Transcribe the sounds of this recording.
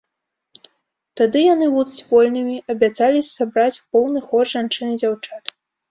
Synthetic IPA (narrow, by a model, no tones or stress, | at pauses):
t̪ad̪ɨjan̪ɨvuzʲvɔlʲnɨmʲiʔɐbʲat̪zalʲisabɾat͡sʲwpɔwnɨxɔrʐant͡ʂɨnɨd͡zʲawt͡ʂat̪